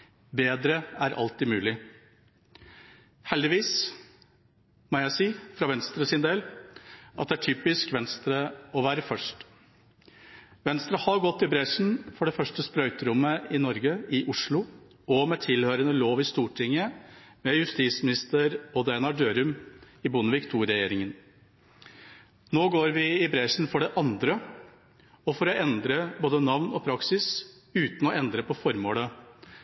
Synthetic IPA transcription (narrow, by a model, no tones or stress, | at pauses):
beːd̪ɾəæɾʔɑ̰lt̪ɪmʉːlɪ | hɛld̪ɪʋiːs | mɔjæɪsiːfɾɑʋɛnst̪ɾəsɪnd̪eːl | ʔɑt̪d̪ɛæʈʰyːpɪskʋɛnst̪ɾəɔʋæːɾəfœʂʈ | ʋɛnst̪ɾəhɑɡɔt̪ːɪbɾɛʂn̩fɔɖɛfœʂʈəspɾœʏt̪ɾʊmːəɪnɔɾɡəɪʔʊʂɭʊ | ɔmɛt̪ʰɪlhøːɾənəloːʋɪst̪uːʈʰɪŋːəmɛjʉst̪iːt̪smɪnɪst̪əɾɔd̪ɛnɑɖøːɾʉm | ɪbʊnəʋɪkt̪ʰuːɾɛjeːɾɪŋən | noːɡoːɾʋɪɪbɾɛʂn̩fɔɖɛʔɑnd̪ɾə | ɔfɔɾɔɛnd̪ɾəboːd̪ənɑʋnɔpʰɾɑksɪs | ʉːt̪n̩ɔɛnd̪ɾəpɔfɔɾmoːlə